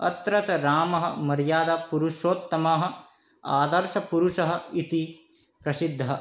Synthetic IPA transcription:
ɐ̰t̪ɾɐt̪ɐɾaːmɐɦɐ̰mɐɾjaːd̪aːpuɾuʃoːt̪ːɐmaːɦɐ̆ | aːd̪ɐɾʃɐpuɾuʃɐɦɐ̆it̪i | pɾɐsid̪ʱːɐɦɐ

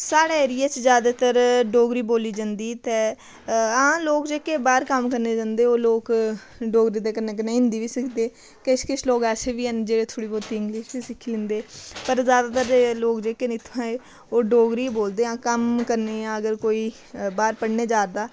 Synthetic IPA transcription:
saːɽeeːɾijaːt͡ʃzjaːd̪aːt̪əɾɖoːɡɾiːboːliːd͡ʒãnd̪iːt̪eː | ãːloːkd͡ʒeːkeːbaːɾkəmkəɾneːd͡ʒãːnd̪eːoːloːk | ɖoːɡɾiːd̪eːkəɾneːkəɾneːɪ̃nd̪iːʋiːsəkʰd̪eː | keʃkɪt͡ʃʰloːɡɛːseːʋiːənd͡ʒeːɽeːt̪ʰoːɽiːbɔːt̪iːɪŋɡlɪːʃt͡ʃesɪkʰːiːlɪ̃nd̪eːpəɾzjaːd̪aːt̪əɾloːkd͡ʒeːkenɪt̪ʰãːeː | oːɖoːɡɾiːboːld̪eːãːkəmkəɾneːãːəɡəɾkoːiː | baːɾpəɽneːd͡ʒaːɾd̪aː

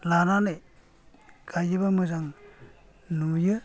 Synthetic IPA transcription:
lananɯj | ɡʰajɯbamɯzaŋ | nujɯ

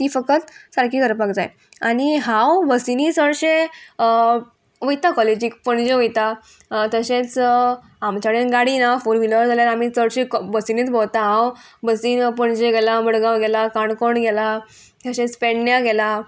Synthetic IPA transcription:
t̪iːfəkət̪saɾkiːɡəɾpaɡd͡z̪a̰j | aɽ̃iɦãwbəsiniːt͡səɽɕẽ | ʋəjt̪akɔled͡ʑiːkpəɳd͡ʑeʋəjt̪a | t̪əɕet͡s | amt͡ɕaɽenɡaɽinafuɾʋiləɾd͡zaljaɾam̤iːt͡səɽɕekbəsinet͡sbʱowt̪aɦãwbəsiːnpəɳd͡ʑeɡɛlabəɽɡawɡɛlakaɳkoɳɡɛla | t̪əɕẽt͡speɳjaɡɛla

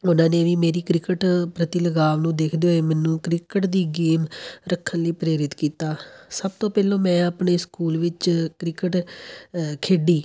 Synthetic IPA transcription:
ʊnãːneːʋiːmeːɾiːkɾɪkəʈpɾət̪ɪləɡaːʋnũːd̪eːkʰd̪eːɦoeːmɛ̃ːnːũːkɾɪkəʈd̪iːɡeːmɾəkʰːənliːpɾeːɾɪt̪kiːt̪aːsəbt̪õːpɛːlõːmɛ̃ːaːpɳeːskuːlʋɪt͡ʃkɾɪkəʈ | kʰeːɖiː

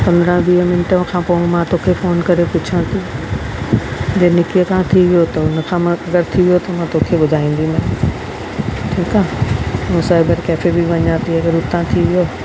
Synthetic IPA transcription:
pɐ̃nd̪əɾãɓiːɦəmɪnʈə̃kʰãːpoũmãt̪oːkʰefoːnkɐɾepʊt͡ɕʰãːt̪i | d͡ʑenɪkijəkãːt̪ʰiʋijot̪ɐʊnəkʰãːmãɐɡəɾt̪ʰiʋijot̪ɐmãːt̪oːkʰeɓʊd̪ʱaːĩːn̆d̪imɛ̃ː | ʈʰiːkaːũsaːɪbəɾkɛːfebiʋɐɲaːt̪iɐɡəɾʊt̪ãt̪ʰiʋijo

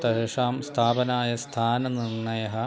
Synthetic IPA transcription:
t̪ɐɦɐʂaːmst̪ʰaːpɐnaːjɐst̪ʰaːnɐnirɳɐjɐɦɐ

